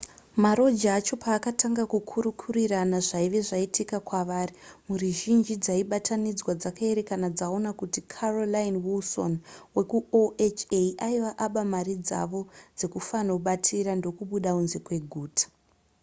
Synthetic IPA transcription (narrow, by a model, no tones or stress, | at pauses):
maɾo̞d͡ʒaːt͡ʃo̞paːkatʰaŋɡakukʰuɾukʰuriranaʐaiʋe̞ʐaitikakwaʋaːrimuriʒind͡ʒid͡zaiɓatʰanid͡zwad͡zakae̞ɾe̞kanad͡zaonakutikʰarolainwilso̞̰nwe̞kuoet͡ʃeʔaiʋaʔaɓamaɾid͡za̰ʋo̞d͡ze̞kufanoɓatʰiɾando̞kuɓuɗaunze̞kwe̞ɡʱuːtḁ